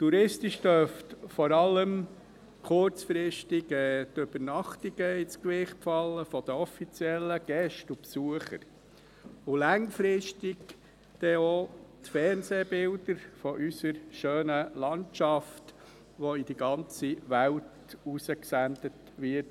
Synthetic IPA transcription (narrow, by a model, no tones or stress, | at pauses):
tuɾɪstiʃtœftfɔɾɑlːəm | kʰʊɾt͡sfɾɪʃtiɡɛt̪øb̥ənɑχtiɡ̥əit͡skʋɪχtpfɑlːəfɔd̪̥əɔfit͡siɛlːəɡ̥ɛʃtupsuəχə̰ɾ | ʊlɑŋfɾɪʃtɪɡ | d̪̥ɛotfɛɾnseːbɪldəɾfɔʔysəɾʃøːnəlɑnt͡ʃɑft | ʋɔid̥iɡɑnt͡siʋælt | usəksændət | ʋɪt